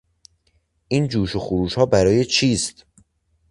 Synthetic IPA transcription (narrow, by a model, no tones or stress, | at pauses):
ʔiːnd͡ʒuːʃoxuɾuːʃhɒːbæɾɒːje̞t͡ʃʰiːst̪